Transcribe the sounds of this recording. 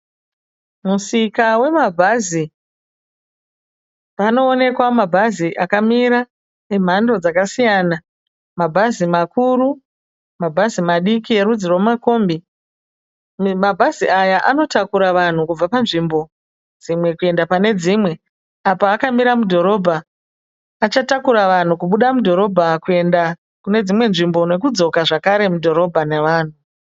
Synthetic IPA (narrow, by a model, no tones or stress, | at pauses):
musikawe̞mabʱazi | pano̞ːne̞kwamabʱaziʔakamiɾa | e̞m̤ando̞d͡zakasijaːna | mabʱazimakuru | mabʱazimaɗikie̞ɾud͡ziromako̞ːmbi | mabʱaziʔajaʔano̞takuɾaʋan̤ukub͡vapanʐimbo̞ | d͡zimwe̞kue̞ndapane̞d͡zimwe̞ | apaːkamiɾamudʱo̞ɾo̞bʱaː | t͡ʃatakuɾaʋan̤ukuɓuɗamudʱo̞ɾo̞bʱakue̞nda | kune̞d͡zimwe̞nʐimbo̞ne̞kud͡zo̞kaʐakaɾe̞mudʱo̞ɾo̞bʱane̞ʋaːn̤u